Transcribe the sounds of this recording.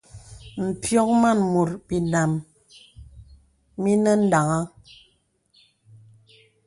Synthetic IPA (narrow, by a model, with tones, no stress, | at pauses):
m̩˨pjɔ˦k̚ma˦˨nmu˨ɾbi˨na˨m | mi˦nɛ˦n̩˦da˨ŋa˦